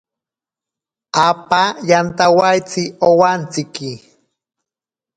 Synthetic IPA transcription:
apajant̪awajt͡sɪowant͡sɪki

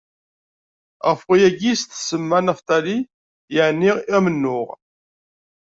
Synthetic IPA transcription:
ʁəfwijæɡist̪səmːænæft̪æli | jəʕniʁmənːʊʁ

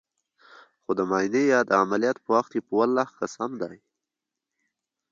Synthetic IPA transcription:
xod̪əmɑinejɑd̪əamalijɑt̪pəwaxt̪jepəwalːaxkasamd̪ɑj

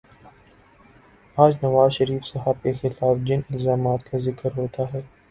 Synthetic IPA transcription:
aːd͡ʒnɐʋaːzʃɐɾiːfsɐɦəb̚kexɪlaːfd͡ʒɪnɪlzaːmaːt̪kazɪkəɾɦoːt̪aɦɛː

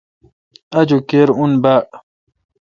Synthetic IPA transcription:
ad͡ʒukeɾunbaʔ

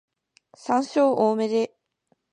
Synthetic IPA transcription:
sãɰ̃ɕoːʔoːme̞d̪e̞

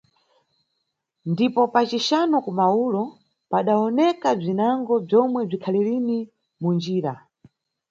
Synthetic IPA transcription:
ndipɔpat͡ʃiʃanɔkumaulɔ | paɗaɔnɛkab͡ʐinaŋɡɔb͡ʐɔmwɛb͡ʐikʰaliɾini | mund͡ʒiːɾa

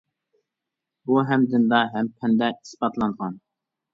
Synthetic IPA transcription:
buɦɛmd̪ɪnd̪ɑɦɛmpʰɛnd̪ɛispɑt̪ʰlˠɑnʁɑn

